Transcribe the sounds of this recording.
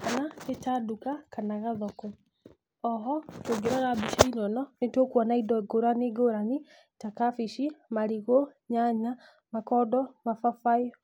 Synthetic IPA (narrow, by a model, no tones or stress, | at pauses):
kanatetadukakanaɣaðɔkɔ | ɔɦɔtoɡeɾaɣabiʃainɔnɔnetokwɔnaidɔɡoɾaneɡoɾani | takafiʃimaɾiɣoɲaɲa | makɔdɔmafafai